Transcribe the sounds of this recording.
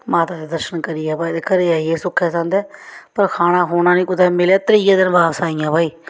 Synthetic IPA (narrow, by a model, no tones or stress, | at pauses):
maːt̪aːd̪eːd̪əɾʃənkəɾiːɛːbaːit̪ekəɾeːaːiɛːsʊkʰːɛːsãːnd̪ɛːpəɾkʰaːñaːɦoːnãːnĩːkʊd̪ɛːmɪlaːt̪əɾiːkãːd̪ɪnbaːʋsaːĩjãːbaːiː